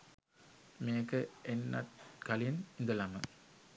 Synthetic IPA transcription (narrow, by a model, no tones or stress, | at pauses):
meːkəenːa̰t̪̚kɐlijənind̪əlamə